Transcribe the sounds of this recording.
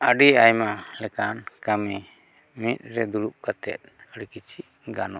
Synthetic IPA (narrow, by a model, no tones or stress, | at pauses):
əɖiajmalɛkankami | mit̪̚ˀɾɛd̪uɽup̚kat̪ɛ̰t̪̚əɽikit͡ʃʰiʔ | ɡanɔ